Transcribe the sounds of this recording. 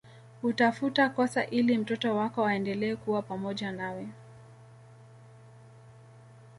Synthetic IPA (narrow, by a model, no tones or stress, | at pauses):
hutafutakɔsaʔilim̩tɔtɔwakɔaɛndɛlɛːkuwapamɔʄanawɛ